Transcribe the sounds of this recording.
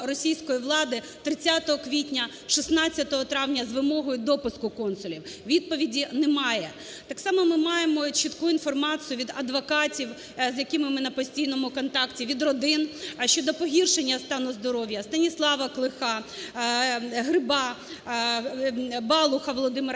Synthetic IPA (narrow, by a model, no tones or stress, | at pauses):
rɔsʲijsʲkɔjiʋlˠɑd̪ɪ | t̪ɾɪt͡sʲːat̪ɔɦɔkʋʲitʲnʲɐ | ʃisnɑt͡sʲːɐt̪ɔɦɔt̪ɾɑʋnʲɐzʋɪmɔɦɔjʊd̪ɔpʊskʊkɔnsʊlʲiwʋʲid̪̚pɔʋʲidʲinɛmɑjɛ | t̪ɑksɑmɔmɪmɑjemɔt͡ʃɪt̪kuinfɔrmɑt͡sʲijʊʋʲid̪ɐd̪ʋɔkɑtʲiw | zjɐkɪmɪmɪnɐpɔsʲtʲijnɔmʊkɔnt̪ɑktʲiʋʲid̪rɔd̪ɪnʃt͡ʃɔd̪ɔpɔɦʲirʃenʲːɐst̪ɑnʊzd̪ɔɾɔʋʲjɐst̪ɐnʲislˠɑʋɐklˠɪxɑ | ɦɾɪbɑ | bɑlˠʊxɐʋɔlˠɔd̪ɪmɪ